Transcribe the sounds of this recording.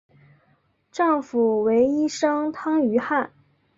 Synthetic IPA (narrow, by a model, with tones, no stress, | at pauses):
ʈ͡ʂɑ˥˩ŋfu˨˩we˧˥ɪi˥ʂɤ˥ŋt̪ʰɑ˥ŋy˧˥xa˥˩n